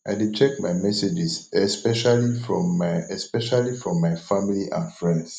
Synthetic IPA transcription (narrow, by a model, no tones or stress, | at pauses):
ʔaɪdut͡ʃʰɛk̚maɪmɛsed͡ʒisɛspɛʃalifɹɔ̃mːaɛspɛʃalifɹɔ̃mːaɪfãmiliʔãnfɹɛ̃nds